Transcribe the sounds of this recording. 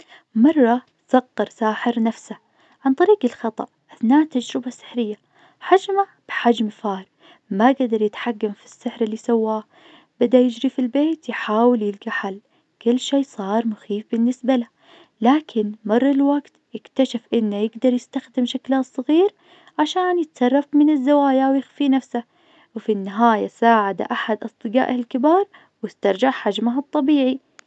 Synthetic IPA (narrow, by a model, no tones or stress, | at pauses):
mɑrˤːɑ | sɑɣːɑɾˤsaːħɪɾnafsa | ʕant̪ˤɑɾiːqɪlxɑt̪ˤɑ̰ʔʔaθnaːʔt̪ad͡ʒɾɪbasɪ̥ħɾɪjːa | ħad͡ʒmab̥ħad͡ʒmfaːɾˤ | maɡad̪ɑɾˤjɪt̪ħaɡːamfi̥sːɪħɾɪlːisawːaː | b̥ɪd̪ajɪd͡ʒɾifilbeːt̪jħaːwɪljɪlɡaħal | kʊlːʃeːsˤɑːɾˤmʊxiːfbɪnːɪsbala | laːkʰɪnmɑrˤːɪlwaɡt̪jɪkt̪aʃafʔɪnːajɪɡd̪ɑɾˤjɪst̪axd̪ɪmʃaklasˤːɨɣiːɾ | ʕaʃaːnjɪt̪sɑrˤːɑfmɪnɪzːawaːjawjɪxfinafsa | wɪfinːaɦaːjasaːʕad̪a̰ʔaħad̪ʔɑsˤd̪ɨɡa̰ːʔɪlkɪbɑːɾˤ | wɪst̪ɑɾˤd͡ʒaʕħad͡ʒmaɦɑt̪ˤːɑbiːʕi